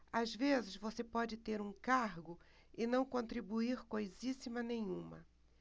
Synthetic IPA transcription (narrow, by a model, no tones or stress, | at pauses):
azvezɪʃvosepɔd͡ʒɪt̪eɾũkaɾɡʊ | ɪnɐ̃w̃kõnt̪ɾibuiɾkojzisimɐnẽɲ̃ũmɐ̰